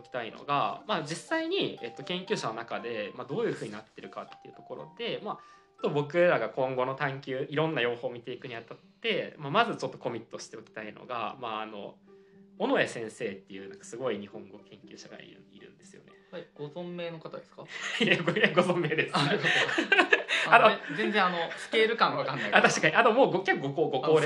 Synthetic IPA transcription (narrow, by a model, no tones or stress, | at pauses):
okʲi̥t̪aino̰ɡamad͡ʑisːaiɲ̟iḛt̪ːokẽ̞ŋkʲɨːɕano̞nakad̪e̞mad̪o̞ːjɯ̟ːɸɯ̟ːɲ̟inat̪ːe̞ɾɯ̟kat̪ːe̞iɯ̟t̪o̞ko̞ɾo̞̰d̪e̞ma | t͡ɕo̥t̪ːobo̞kɯ̟ed̪aɡakõ̞ŋɡo̞no̞t̪ãŋkʲɨːiɾõ̞nːajo̞ːho̞ːmʲit̪e̞ikɯ̟ɲ̟iat̪at̪ːe̞mamazɨt͡ɕo̞t̪ːo̞ko̞mʲit̪ːo̞ɕi̥t̪e̞o̞kʲi̥t̪ainʔo̞̰ɡa̰maːno̞̰ | ono̞esẽ̞ɰ̃se̞ːt̪ːe̞jɯ̟ːnãŋkḁsɨɡo̞iɲ̟ihõ̞ŋɡo̞kʰẽ̞ŋkʲɨ̰ːɕaɡa̰ḭɾɯ̟̃nḭɾɯ̟̰̃nd̪e̞sɨjo̞̰nehaɡ̥o̞zõmːeːnokat̪ad̪eskajeɡojaɡo̞zõ̞mːe̞ːd̪esɨ̥aɾɯo | anozenzẽanosɨ̥keːɾɯ̟kãɰ̃βakãnːaat̪aɕikaɲ̟iʔat̪omo̞ːɡokʲakːɯɡokoːɡo̞koːɾ